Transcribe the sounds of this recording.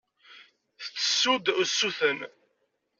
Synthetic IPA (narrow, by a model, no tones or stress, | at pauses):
θə̥t͡sːə̥sːud̪sːuθən